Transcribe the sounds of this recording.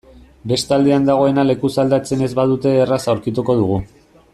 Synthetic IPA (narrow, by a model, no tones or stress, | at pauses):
be̞st̪ald̪eand̪aɣ̞o̞e̞nale̞kusald̪at͡se̞ne̞zβaðut̪e̞ːrasawɾkit̪uko̞ð̞uɣ̞u